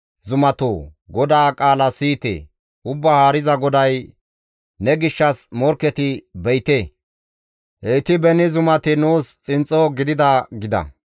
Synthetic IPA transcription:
zʊmɐt̪oːɡɔd̪aːkʼaːlɐsiːt̪ḛː | ʊbːahaːɾɪzɐɡɔd̪ɐj | nɛɡɪʃːɐsmɔɾkːɛt̪ɪbɛjt̪eː | ʔɛjt̪ɪbɛnɪzʊmɐt̪ɪnuːst͡sʼɪnt͡sʼɔɡɪd̪ɪd̪ɐɡɪd̪ɐ̰

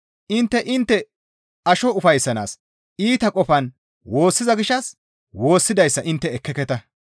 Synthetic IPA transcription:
ʔɪnt̪ːɛʔɪnt̪ːɛ | ɐʃɔʊfɐjsːɐna̰ːs | iːt̪ɐkʼɔfɐn | wo̞ːsːɪzɐɡɪʃɐs | wo̞ːsːɪd̪ɐjsːɐʔɪnt̪ːɛːkːɛkɛt̪ɐ

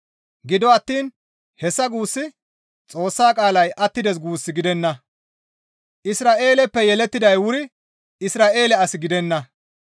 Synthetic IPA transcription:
ɡɪd̪ɔɐt̪ːiːn | hɛsːɐɡuːsːɪ | t͡sʼo̞ːsːaːkʼaːlɐjʔɐt̪ːɪd̪ɛs̬ɡuːsːɪɡɪd̪ɛnːɐ | ʔɪsɾaːʔe̞ːlɛpːɛjɛlɛt̪ːɪd̪ɐjwʊɾɪ | ɪsɾaːʔe̞ːlɛɐsɪɡɪd̪ɛnːɐ

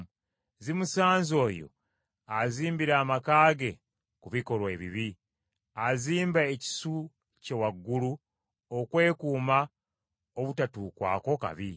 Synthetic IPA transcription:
zimusaːnzo̞ːjo̞̰ | aziːmbiɾaːmakaːɡe̞ | kuβiko̞lwe̞ːβḭβi | aziːmbaeci̥su | cewaɡːulu | okwe̞ːkuːma | oβutatukwa̰ːko̞ka̰βi

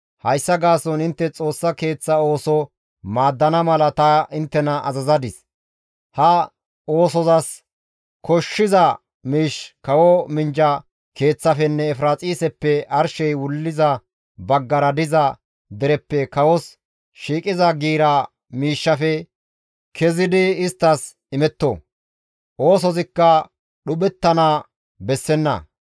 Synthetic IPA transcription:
hɐjsːɐɡaːsɔnɪnt̪ːɛt͡sʼo̞ːsːɐke̞ːt͡sːɐo̞ːsɔ | maːd̪ːɐnɐmɐlɐt̪ɐɪnt̪ːɛnɐʔɐ̰zɐzɐd̪ɪs | hɐ | o̞ːsɔzɐs | kɔʃːɪzɐ | miːʃkɐwɔmɪnd͡ʒɐ | ke̞ːt͡sːɐfɛnːɛːfɾaːt͡sʼiːsɛpːɛʔɐɾʃɛjwʊlːɪzɐ | bɐɡːɐɾɐd̪ɪzɐ | d̪ɛɾɛpːɛkɐwɔs | ʃiːkʼɪzɐɡiːɾɐ | miːʃːɐfɛ | kʰɛzɪd̪ɪɪst̪ːɐs | ɪmɛt̪ːɔ̰ | ʔo̞ːsɔzɪkːɐ | ɗʊɓɛt̪ːɐna | bɛsːɛnːɐ̰

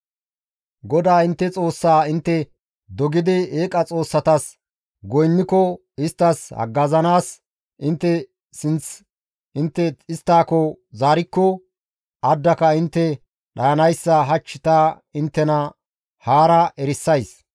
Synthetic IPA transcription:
ɡɔd̪aːɪnt̪ːɛt͡sʼo̞ːsːaːɪnt̪ːɛ | d̪ɔɡɪd̪ɪeːkʼɐt͡sʼo̞ːsːɐt̪ɐs | ɡɔjnːɪkɔ | ɪst̪ːɐshɐ̰ɡːɐzɐnaːs | ɪnt̪ːɛ | sɪnt͡s | ɪnt̪ːɛɪst̪ːaːkɔzaːɾɪkːɔ | ɐd̪ːɐkɐɪnt̪ːɛ | ɗɐjɐnɐjsːɐɦɐt͡ʃːɪt̪aː | ɪnt̪ːɛnɐ | haːɾɐʔɛɾɪsːɐjs

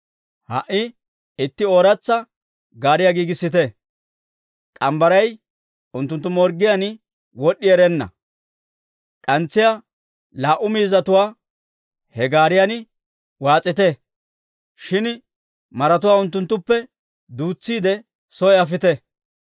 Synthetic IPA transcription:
hɐʔːɪ | ɪt̪ːɪoːɾɐt͡sːɐ | ɡaːɾɪjaɡiːɡɪsːɪt̪ɛ | kʼɐmbɐɾɐj | ʊnt̪ːʊnt̪ːʊmɔɾɡɪjan | wɔɗːɪɛɾɛnːɐ̰ | kʼɐnt͡sːɪja | laːʔʊmiːzɐt̪ʊwaː | hɛɡaːɾɪjanɪ | waːt͡sʼːɪt̪ɛ | ʃɪn | mɐɾɐt̪ʊwaːʊnt̪ːʊnt̪ːʊpːɛ | d̪uːt͡sːiːd̪ɛ | sɔɛɐf̬ɪt̪ɛ

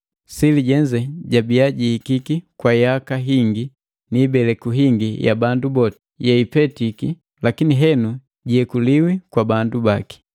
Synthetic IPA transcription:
siliɟɛɲd͡ʒɛɟabiaɟihikikikwajakaɦiŋɡi | nibɛlɛkuɦiŋɡija̰bandubɔt | jɛipɛtiki | lakiniɦɛnu | ɟiɛkuliwikwabandubaki̥

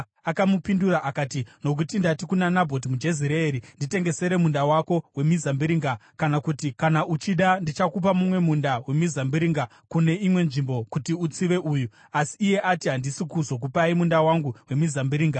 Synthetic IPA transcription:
akamupinduraʔakaːtino̞k̬utindatikunanabʱo̞t̬imud͡ʒe̞ziɾeeɾindite̞ŋɡe̞se̞ɾe̞mundawako̞we̞mizambiɾiːŋɡakanakutikanaʔut͡ʃiɗandit͡ʃakup̬amumwe̞mundawe̞mizambiɾiŋɡa | kune̞imwe̞nʐimbo̞kutiut͡siʋe̞ʔuːju | asiːje̞ʔatiɦandisikuzo̞k̬upaimundawaŋɡuwe̞mizambiɾiːŋɡa

